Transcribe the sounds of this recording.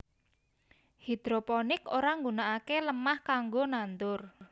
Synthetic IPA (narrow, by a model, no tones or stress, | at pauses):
hid̪̥ɾopɔnɪkoɾaŋɡunaʔakeləmahkaŋɡonant̪ʊr